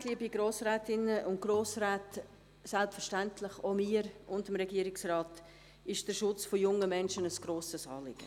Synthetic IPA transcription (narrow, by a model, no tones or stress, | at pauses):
liːbiɡɾoːsɾɛːtɪnəʔʊnt̚ɡ̥ɾoːsɾɛːt | sɛlpfɛɾʃtɛntʰlɪχomiːəɾʊndɪmɾɛɡiːəɾɪksrɑːt | ɪʃd̥əɾʃʊt͡sfɔjʊŋəmɛnʃənəsɡ̥ɾoːsəsɑ̰ːlɪ̰ɡ̥ə